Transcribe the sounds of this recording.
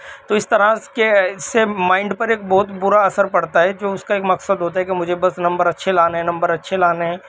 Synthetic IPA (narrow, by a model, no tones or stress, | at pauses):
t̪oɪst̪ɐɾãkeɪsːemãːɪ̃ɳɖpɐɾeːk̚bɔːʊt̪bʊɾaɐsəɾpɐɽt̪aɦɛd͡ʒoːʊskaeːkmɐksəd̪ɦoːt̪aɦɛkemʊd͡ʒʱebɐsnɐ̃mbəɾɐtːʃʰelaːneɦɛ̃nɐ̃mbəɾɐtːʃʰelaːneɦɛ̃ː